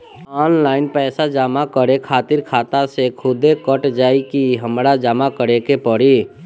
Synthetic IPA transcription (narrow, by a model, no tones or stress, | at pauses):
ɔːnlaːɪnpɛːsad͡ʒaːmakəɾekʰaːt̪ɪɾkʰaːt̪asekʰʊd̪ekəʈd͡ʒaːikiɦəmɾad͡ʒaːmakəɾekepəɽi